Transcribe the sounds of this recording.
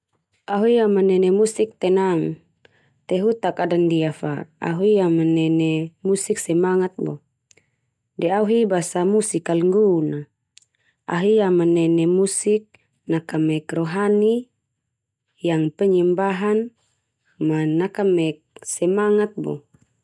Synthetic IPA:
aɦuiamanɛnɛmusik̚t̪ɛnaŋ | t̪ɛɦut̪akadandiafa̰a̰ɦuiamanɛnɛmusik̚sɛmaŋat̪̚bɔ̰ | dɛauɦibasamusikalŋɡuna | a̰ɦiamanɛnɛmusik̚ | nakamɛkrɔɦani | jaŋpɛɲimbaɦan | manakamɛk̚sɛmaŋat̪̚bɔ̰

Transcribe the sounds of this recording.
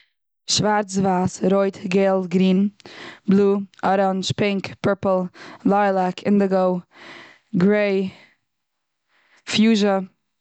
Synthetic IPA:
ʃvaɾt͡svaːsɾoɪtɡeːlˠɡɾiːnblˠuːɔɾɔnʃpɪŋkpɪɾpl̩ˠlaɪlˠakʰɪndəɡoʊ | ɡɾeɪ | fjuːʒə

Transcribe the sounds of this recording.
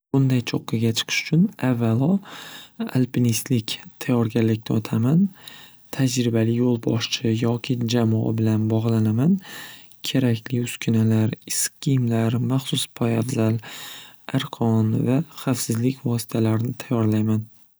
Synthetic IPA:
bʊnd̪ajt͡ʃʰoqʰːɨɡʲat͡ʃʰɨ̥qʰɨ̥ʃʊ̥t͡ʃʰʊnavːalɒ | a̰lpʰinist̪lɪkʲt̪ʰajɒɾɡʲalːɪkʲnɪɒt̪ʰaman | t̪ʰad͡ʒɾɪbalɪjolˠbɒʃt͡ʃʰɪjɒkʲʰɪd͡ʒamɒa̰bɪlanbɒʁlˠanaman | kʲʰeɾakʲlɪʊskʲʰʊnalaɾɪskʲimlaɾmaχsʊspʰɒjafzal | aɾqʰɒnvaχafsɪzlɪkʲʰvɒsɪ̥t̪ʰalaɾɪnɪt̪ʰajɒɾlajman

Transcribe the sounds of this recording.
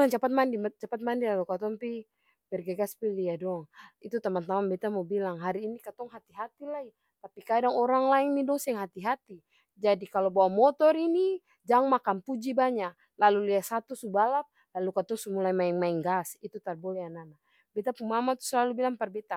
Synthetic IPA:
laŋt͡ʃapat̪̚mandimt͡ʃapat̪̚mandilalukat̪ɔŋpi | pɛrɡaɡaspiliadɔŋit̪ut̪amant̪amanbɛt̪amɔbilaŋɦaɾiːnikat̪ɔŋɦat̪iɦat̪ilai | t̪apikadaŋɔɾaŋlaɛŋnidɔŋsɛŋɦat̪iɦat̪i | d͡ʒadikalobawamɔt̪ɔɾini | d͡ʒaŋmakanpud͡ʒibaɲa | laluliasat̪usubalap̚ | lalukat̪ɔŋsumulaimaɛŋmaɛŋɡasit̪ut̪arbɔlɛanana | bɛt̪apuŋmamat̪u̥slalubilaŋpɛrbɛt̪a

